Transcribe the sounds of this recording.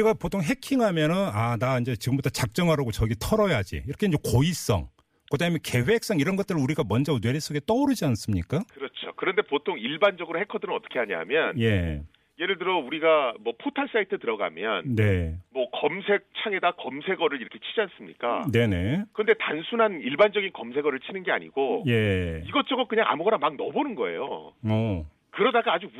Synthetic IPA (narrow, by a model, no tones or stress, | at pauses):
iɡapotʰoŋɦe̞kʰiŋamjʌnɯnanaind͡ʑe̞t͡ɕiɡɯmbutʰʌt͡ɕak̚t͡ɕ͈ʌŋɦaɾaɡot͡ɕʌɡitʰʌɾʌjad͡ʑḭiɾʌkʰeind͡ʑe̞kois͈ʌ̰ŋ | kɯdaɦɯmjʌnke̞ɸwe̞k̚s͈ʌŋiɾʌnɡʌt͈ɯɾɯɭuɾiɡamwʌnd͡ʑʌnwe̞ɾes͈oɡe̞t͈ʌuɾɯd͡ʑians͈ɯmɲik͈akɯɾʌt͡ɕʰo̰kɯɾʌnde̞potʰoŋiɭband͡ʑʌɡɯɾohe̞kʰʌdɯɾɯnʌt͈ʌ̥kʰeɦaɲa̰ɦa̰mjʌnje | je̞ɾɯɭtɯɾʌuɾiɡamwʌpʰotʰaɭs͈aitʰɯtɯɾʌɡa̰mjʌnne̞mwʌkʌmsʰe̞k̚t͡ɕʰaŋe̞dakʌmsʰe̞ɡʌɾɯɭiɾʌkʰe̞t͡ɕʰid͡ʑians͈ɯmɲḭk͈a̰ne̞ne̞kɯʌnde̞tansʰunɦaniɭband͡ʑʌɡinkʌmsʰe̞ɡʌɾɯɭt͡ɕʰinɯnɡe̞a̰ɲḭɡoje̞iɡʌt͡ɕ͈ʌɡʌk͈ɯɲaŋa̰muɡʌɾamaŋnʌbonɯnɡʌe̞̰jo̰ʌ | kɯɾʌdaɡaːd͡ʑu